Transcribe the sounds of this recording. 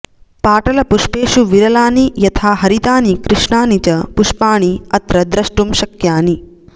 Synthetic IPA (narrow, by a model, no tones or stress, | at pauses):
paːʈɐlɐpuʃpeːʃuʋiɾɐlaːnijɐt̪ʰaːɦɐɾit̪aːnikɾɪʂɳaːnit͡ʃɐpuʃpaːɳ̃iɐt̪ɾɐd̪ɾɐʃʈumʃɐkjaːni